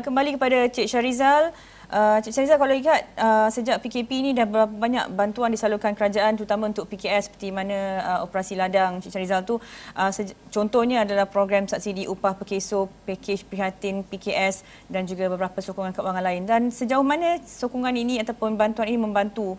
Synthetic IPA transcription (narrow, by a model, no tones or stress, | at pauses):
kəmbalikəpadat͡ʃeʔ̚t͡ʃaɾizal | ʔət͡ʃeʔt͡ʃaɾizalkalawikat̪̚əsəd͡ʒaʔpikepiːnĩdahbəbɾapabaɲa̰ʔbant̪uandisalukankəɾad͡ʒaʔant̪əɾut̪amãunt̪ʊʔ̚pikeɛsə̥pət̪imanãəopəɾasiladaŋt͡ʃeʔt͡ʃaɾizalt̪uʔəsət͡ʃɔnt̪ɔhɲãːdalahpɾoɡɾamsaʔ̚sidiʔupahpəkesopeket͡ʃpəɾiɦat̪ɪnpikeʔɛs | dand͡ʒuɡabəbəɾapasokuŋankaʔwaŋanlaɪndansəd͡ʒaʊhmanə̃sokuŋaninĩat̪awpʊnbant̪uaninimə̃mbant̪u